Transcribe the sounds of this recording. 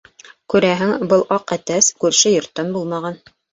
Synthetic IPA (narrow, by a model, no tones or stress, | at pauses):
kʉɾæɦɘŋbɤlˠʔɑqæt̪æskʉɾʃɘjŏɾt̪ːɤnbulˠmɑʁɑn